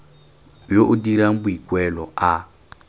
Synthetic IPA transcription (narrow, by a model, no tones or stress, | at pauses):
joʔudiɾaŋ̩buikʼwɛlɔa